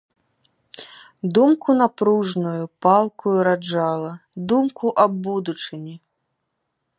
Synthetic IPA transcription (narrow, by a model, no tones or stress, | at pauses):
d̪umkunapɾuʐnujupalˠkujuɾad͡ʐalˠɐd̪umkuʔɐbːud̪ut͡ʂɨnʲi